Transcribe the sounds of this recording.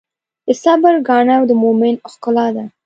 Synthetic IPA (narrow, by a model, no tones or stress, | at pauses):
d̪̥əsabəɾɡɑɳawd̪əmomɪnɪxkʊlɑd̪a